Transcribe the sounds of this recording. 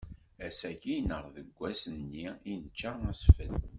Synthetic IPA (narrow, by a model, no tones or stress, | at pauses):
æsæçinəʁðəɡʷːæsənːiinət͡ʃːaæsfəl